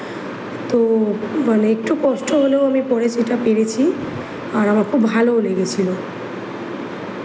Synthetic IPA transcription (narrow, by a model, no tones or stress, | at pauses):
t̪oəneːk̚ʈukosʈɔɦoleoamipɔɽesiʈapeɾet͡ʃʰi | ɔɾamãkʰubbʱalouleɡet͡ʃʰilo